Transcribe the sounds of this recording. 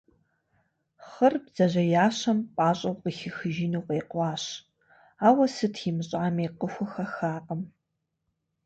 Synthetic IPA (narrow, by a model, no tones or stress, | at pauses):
χɐrbz̥ɐʑɐjaːɕɐmpʼaːɕʼɐwqəxɪxɨʒiːnuːqeːqʷɑːɕ | aːwɐsɨtʰimɨɕʼaːmiːqəxʷʊxɐxaːqəm